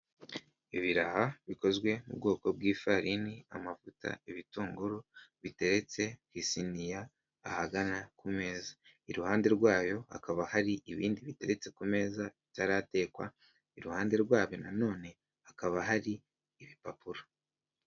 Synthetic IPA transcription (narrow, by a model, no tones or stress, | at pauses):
iβiɾahaβiko̞zɡwe̞mṵb̚ɡo̞ːko̞b̚ɡiːfaɾinia̰mavuta̰iβituːŋɡuɾuβite̞ɾet͡se̞kisinijaː | haɡanakume̞ːza | iɾuhaːnde̞ɾɡwaːjo̞ha̰kaβahaɾiʔiβiːndiβite̞ɾe̞t͡se̞kume̞ːzaβitaɾate̞ːkwa̰ | iɾuhaːnde̞ɾɡwaːβonano̞ːne̞ | akaβaɦaɾiː | βipapuɾa